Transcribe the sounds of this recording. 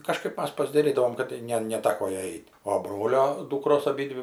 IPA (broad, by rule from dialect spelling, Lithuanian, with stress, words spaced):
kɐˈʃkɐɪp ˈmɐs pɐzdɐˈrʲiːdɐʋoːm kɐt ˈnʲɛ nʲɛˈtɑːkoː ˈjɛɪ ˈɛɪtʲ oː ˈbroːlʲoː ˈduːkroːs ɐˈbʲiːdʲʋʲɪ